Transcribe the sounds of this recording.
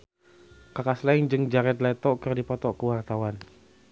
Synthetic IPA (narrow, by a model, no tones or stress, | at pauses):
kakasland͡ʒɨŋd͡ʒaɾɛt̪lɛt̪ɔʔkərdipɔt̪ɔʔkəwart̪awan